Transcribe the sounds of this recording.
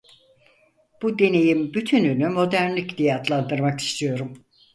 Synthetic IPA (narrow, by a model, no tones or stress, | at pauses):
b̥ud̪e̞ne̞jimbyt̪ʰynynymo̞d̪æɾnlʲicd̪ijat̪ʰlˠand̪ɯɾmaki̥st̪ʰijo̞ɾum